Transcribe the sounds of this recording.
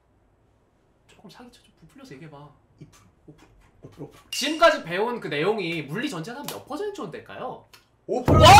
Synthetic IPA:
t͡ɕ͈ok͈ɯmsʰaɡit͡ɕʰʌd͡ʑompupʰuɭːʌsʰʌjeɡe̞ba | ipʰu | t͡ɕiɡɯmk͈ad͡ʑipe̞onkɯne̞joŋimuɭːit͡ɕʌnd͡ʑenɦamjʌ̰pʰʌsʰent͡ɕʰondwe̞ɭk͈a̰jo | opʰ

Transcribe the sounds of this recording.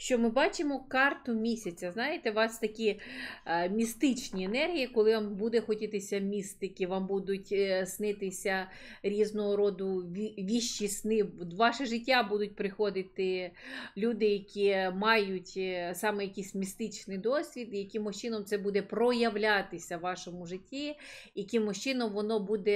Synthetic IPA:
ʃt͡ʃɔmɪbɑt͡ʃɪmɔkɑrt̪ʊmʲisʲɐt͡sʲɐznɑjɪt̪ɛʋɑst̪ɐkʲi | mʲist̪ɪt͡ʃnʲienɛrɦʲijikɔlˠɪʋɑmbud̪ɛxɔtʲɪt̪ɪsʲɐmʲist̪ɪkɪʋɑmbud̪ʊtʲsnɪt̪ɪsʲɐ | ɾʲiznɔɦɔɾɔd̪ʊiʋʲiʃt͡ʃisnɪʋɑʃɛʒɪtʲːabud̪ʊt̚ʲpɾɪxɔd̪ɪt̪ɪlʲud̪ɪjɐkʲimɑjʊtʲsɑmɛjɐkʲijsʲmʲist̪ɪt͡ʃnɪjd̪ɔsʲʋʲid̪ijɐkʲimɔʃt͡ʃɪnɔmt̪sɛbud̪ɛpɾɔjɐʋlʲat̪ɪsʲɐʋʋɑʃɔmʊʒɪtʲːiikɪmɔʃt͡ʃɪnɔmʋɔnɔbud̪ɛ

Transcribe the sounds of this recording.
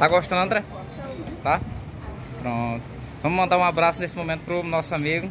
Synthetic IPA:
t̪aɡoʃt̪ɐ̃nd̪ɐ̃d̪ɛ | t̪a | pɾõt̪ʊ | vɐ̃mʊmɐ̃nd̪aɾũabɾasʊnesɪmomẽnt̪ʊ̥pɾʊnɔsʊamiɡʊ

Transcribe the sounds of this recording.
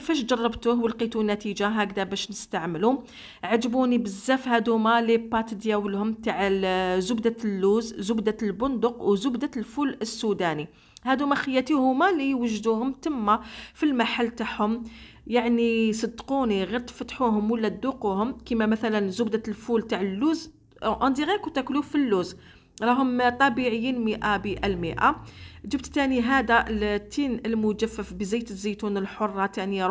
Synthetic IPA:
fæʃd͡ʒɑrˤːɑbt̪uhwəlqit̪unːæt̪id͡ʒaɦæɡd̪æbæʃnəst̪aʕməlum | ʕad͡ʒbunibəzːæfhæd̪ʊmælipːɑt̪d̪jæwəlhʊmt̪aʕəzʊbd̪ælːuzzʊbd̪albʊnd̪ʊqwzʊbd̪alfuləsːud̪æni | hæd̪umæxəjːæt̪ihʊmælijwəʒːd̪uhʊmt̪əmːafilmaħalːt̪aħhʊm | jaʕnisˤɑd̪ːquniɣiɾt̪fæt̪ħuɦʊmwəlːæd̪uquhʊmkimæmæθælænzʊbd̪ælfult̪aʕəlːuz | ʔɑnd̪iɣækwt̪ækluffilːuz | ɾˤɑɦʊmt̪ˤɑbiʕəjːinməʔabəʔælməʔa̰d͡ʒəbt̪t̪æniɦæd̪ælt̪ʰːinəlmʊd͡ʒæfːəfbəzijt̪əzːət̪unəlħorˤːɑt̪ænə

